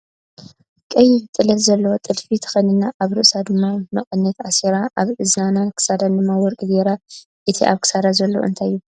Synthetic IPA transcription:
kʼɐjit̪ʼɨlɐt̪zɐlːɐwot̪ʼɨlfit̪ʰɨ̥xɐnɨnːaʔaβɾɨʔsad̪ɨmːamɐχʼɐnːɐt̪aseɾaʔaβʔɨznanankʰɨ̥sad̪and̪ɨmːawɔɾkʼɨzeɾa | ʔɨt̪ʰiʔaβkʰɨ̥sad̪azɐlːo̞̰ʔɨ̰nt̪ʰajːu

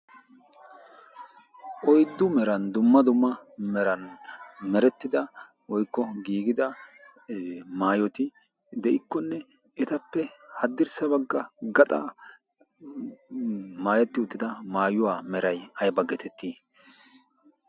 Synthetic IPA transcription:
ʔɔjd̪ːʊmɛɾɐnd̪ʊmːɐd̪ʊmːɐmɛɾɐnmɛɾɛt̪ːɪd̪ɐ | wɔjkːɔɡiːɡɪd̪ɐ | maːjɔt̪ɪ | d̪ɛʔɪkːɔnːɛ | ɛt̪ɐpːɛhɐd̪ːɪɾsɐbɐɡːɐɡɐt̪ʼa | maːjɛt̪ːɪʊt̪ːɪd̪ɐmaːjʊwaːmɛɾɐjɐjbɐɡɛt̪ʰɛt̪ːiː

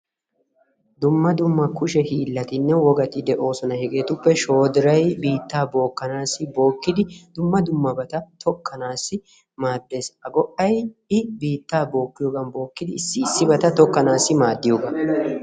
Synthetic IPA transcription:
d̪ʊmːɐd̪ʊmːɐkʊʃɛhiːlːɐt̪ɪnːɛwɔɡɐt̪ɪd̪ɛʔo̞ːsɔnɐhɛɡeːt̪ʊpːɛʃo̞ːd̪ɪɾɐjbiːt̪ːaːbo̞ːkːɐnaːsɪbo̞ːkːɪd̪ɪd̪̥ʊmːɐd̪ʊmːɐbɐt̪ɐt̪ʰɔkːɐnaːsːɪ | maːd̪ːe̞ːsɐɡɔʔɐjɪbiːt̪ːaːbo̞ːkːɪjɔɡɐnbo̞ːkːɪd̪ɪɪsːɪːsːɪbɐt̪ɐt̪ɔkːɐnaːsːɪmaːd̪ːɪjoɡɐ

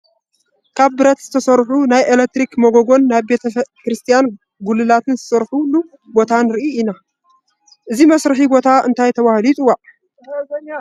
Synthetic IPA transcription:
kʰaβbɨɾɐt̪zɨt̪ʰɐsɐɾħunajelek̚t̪ɾikmoɡoɡo̞nːaβbe̞t̪ʰɐkɾɨst̪ʰijan | ɡulːɨlat̪ʰɨnzɨsɐɾħulu | bo̞t̪ʰanɨɾɨʔiina | ʔɨzimɐsɾɨħibo̞t̪ʰaɨnt̪ʰajt̪ʰɐβahlit̪ʼuwa

